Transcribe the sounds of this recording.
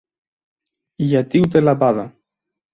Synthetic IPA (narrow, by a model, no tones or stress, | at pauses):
ijat̪iwt̪elapaða